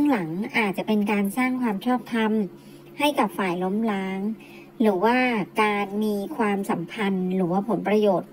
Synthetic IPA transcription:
ɯ˥˩ŋla˩˦ŋʔaː˨˩t̪̚t͡ɕa˨˩ʔpe˧nkaː˧nsaː˥˩ŋkʰwaː˧mt͡ɕʰɔː˥˩p̚t̪ʰa˧m | ha˥˩jka˨˩p̚faː˨˩jlo˦˥mlaː˦˥ŋ | ɾɯː˩˦waː˥˩kaː˧nmiː˧kʰwaː˧msa˩˦mpʰa˧nɾɯː˩˦waː˥˩pʰo˩˦npɾa˧joː˨˩t̪̚

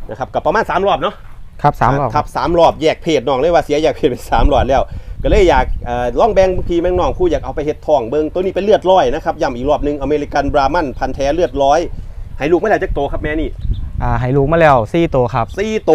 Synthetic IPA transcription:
na˦˧kʰa˦˥p̚kɔ˧˩pːa˧maː˧˥˨nsaː˨˦mɾɔː˧˩p̚nɔ˦˧˥ʔkʰa˦˥p̚saː˩˦mɔː˧˩kʰa˦˥p̚saː˩˦mɾɔː˧˩p̚jɛː˨˩k̚pʰeː˨˩t̪̚nɔː˨˩k̚lːjwaː˧si˨˩˦ɐjɛː˨˩k̚pʰeː˨˩t̪̚pe˧˩saː˩˦mlɔː˧˨˩lɛː˧˥˩wkɔː˧˩lɤː˧˩jːaː˨˩k̚ʔaː˨˩lɔ˧˥˩ŋbɛː˧ŋ˧pʰiː˧mɛː˧˩˨nɔː˧˩ŋkʰuː˧˩jaː˨˩k̚ʔa˧wpa˧jhe˧˦t̪ʰːɔː˧˩ŋbɤ˧ŋt̪u˧niː˧˥˩pe˧nlɯ˥˩ət̪̚lɔː˧˩jna˦˥kʰa˦˥p̚ja˧˩mʔiː˨˩k̚lɔː˧˩p̚nɯ˧ŋʔa˧meː˧li˧˥ka˧nbɾaː˧ma˧˩npʰa˧nt̪ʰɛː˨˦˥lɯ˥˩ət̪̚lɔː˦˥˨jha˨˩˦jluː˨˩kmaː˧˥˨ɛː˧˥˩t͡ɕa˧˥˩kt̪oː˧kʰa˦˥p̚mɛː˦˥niː˧˩ʔaː˧˩ɦa˨˩˦jluː˨˩k̚maː˧˥˩lɛː˧˩wsiː˥˩t̪oː˧kʰa˦˥p̚siː˧˥˩t̪oː˧

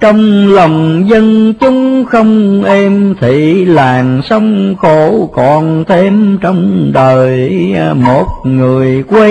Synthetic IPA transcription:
t͡ɕɔ˧wŋ͡mlə˨˩wŋ͡mzə˧nt͡ɕʊ˨˦ŋ͡mxə˧wŋ͡mʔɛ˧mt̪ʰḭ˧˨˩laː˨˩nsə˧wŋ͡mxo˧˨˦kɔ˨˩nt̪ʰe˧mt͡ɕɔ˧wŋ͡mɗəː˨˩jmo˨˩t̚ŋɨ˨˩əjkwe˧

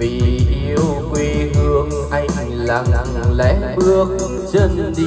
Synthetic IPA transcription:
vi˨˩ʔi˧əwkwi˧hɨ˧əŋ | ʔa˧jŋ | la˧˩ŋŋlɛ̰˧˦˥ɓɨ˧ək̚ | zə˧nɗi˧

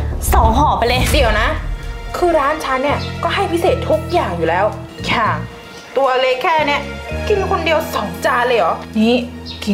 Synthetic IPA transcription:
sɔ˨˩˦ŋɦɔː˨˩˦pa˧jlɤː˧jdi˨˩˦əwna˦˥kʰɯː˧ɾaː˦˥nt͡ɕʰa˦˥nːi˥˩ɐkɔː˥˩ɦa˥˩jpʰi˦˥seː˨˩t̪ʰːu˦˥k̚jaː˨˩ŋjuː˨˩lɛː˦˥w | kʰaː˨˩ŋ | t̪u˧ɐleː˦˥kʰːɛː˥˩ni˦˥˩ɐki˧nkʰo˧ndi˧əwsɔ˩˦ŋt͡ɕaː˧lɤː˧jʔɔː˨˩˦niː˦˥ | ki˧

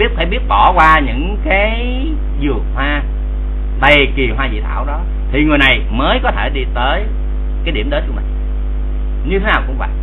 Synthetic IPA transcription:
i˦˥ət̚faː˧˩ɓi˦˥ət̚ɓɔ˧˩kwaː˧ɲɨ̰˧˥ŋkaː˨˦j | zɨ˨˩ək̚hwaː˧ | va˨˩ki˨˩əɦwaː˧zḭ˧˨t̪ʰa̰ː˧˩wɗɔ˨˦ | t̪ʰi˨˩ŋɨ˨˩əjna˨˩j | məː˨˦jkɔ˨˦t̪ʰe˧˩ɗi˧t̪əː˨˦j | kaː˨˦jɗi˧˩əmɗəː˨˦t͡ɕɨ˦˥mï˨˩ | ɲɨ˧t̪ʰe˨˦naː˨˩wkʊ̰˧˥wŋ͡mka̰ː˧˨

